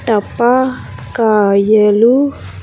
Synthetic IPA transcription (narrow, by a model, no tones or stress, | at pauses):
tapa | kajəlu